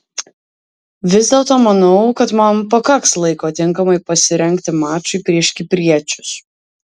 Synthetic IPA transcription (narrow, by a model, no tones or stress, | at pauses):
ʋʲɪzʲdʲeːlˠt̪oːmɐnɔʊkɐt̪mɐmpɐkɐkslˠɐɪkoːt̪ʲɪŋˑkɐmɐɪpɐsʲɪɾʲɛŋʲkt̪ʲɪmɑːt͡ʃʊɪpʲɾʲiɛʃʲkʲɪpʲɾʲiɛt͡ʃʲʊs